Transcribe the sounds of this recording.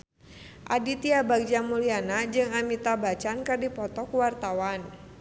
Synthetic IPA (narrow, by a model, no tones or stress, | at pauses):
ʔadit̪iabaɡ̚d͡ʒamulianad͡ʒɨŋamit̪abat͡ʃankardipɔt̪ɔkuwart̪awan